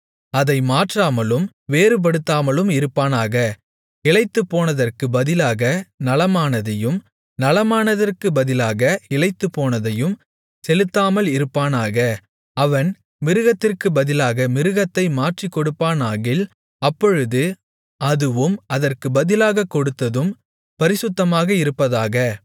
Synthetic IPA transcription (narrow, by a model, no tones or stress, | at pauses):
ɐðɐɪmaːʈraːmɐlɯm | ʋeːɾɯp̬ɐɽɯt̪ːaːmɐlɯmɪɾɯpːaːnaːɣɐ | ɪɭɐɪt̪ːɯpːoːnɐðɐrkɯbɐðɪlaːɣɐnɐlɐmaːnɐðɐjɯm | nɐlɐmaːnɐðɐrkɯbɐðɪlaːɣɐɪɭɐɪt̪ːɯpːoːnɐðɐjɯm | sɛlɯt̪ːaːmɐlɪɾɯpːaːnaːɣɐ | ɐʋɐn | mɪɾɯɣɐt̪ːɪrkɯbɐðɪlaːɣɐmɪɾɯɣɐt̪ːɐɪmaːʈrikːɔɽɯpːaːnaːɣɪl | ɐpːɔɻɯðɯ | ɐðɯʋɯmɐðɐrkɯbɐðɪlaːɣɐkːɔɽɯt̪ːɐðɯm | pɐɾɪsɯt̪ːɐmaːɣɐɪɾɯpːɐðaːɣɐ